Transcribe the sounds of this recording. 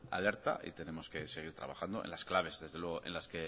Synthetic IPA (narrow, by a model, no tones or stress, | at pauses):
a̰le̞ɾt̪a̰ʔḭt̪e̞ne̞mo̞ske̞se̞ɣ̞iɾt̪ɾa̰βaxand̪o̞enlasklaβ̞e̞zðe̞zðelwe̞ɣ̞oʔe̞̰nlaske̞